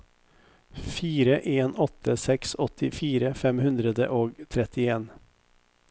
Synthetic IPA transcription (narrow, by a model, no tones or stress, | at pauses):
fiːɾəʔeːnɔt̪ʰəsɛksɔt̪ʰɪfiːɾəfɛmhʉnd̪ɾəd̪əʔoːɡt̪ʰɾɛt̪ɪeːn